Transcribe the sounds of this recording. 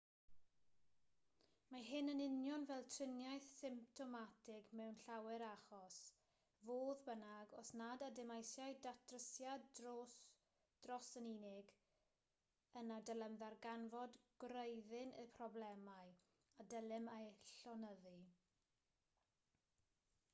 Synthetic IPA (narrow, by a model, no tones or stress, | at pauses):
maɦɪnənɪnjɔnvɛlˠtʰrɪnjajθsɪmp̚tʰɔmatʰɪɡmɛwnɬawɛɾaχɔs | voːðbənaɡɔsnadadɛmajsjajdatʰrəsjadros | d̥rɔsəninɪɡ | ənadəlˠɛmðarɡanvɔdɡ̥rəjðɪnəpʰrɔblɛmaɨ | adəlˠɪmaɬɔnəði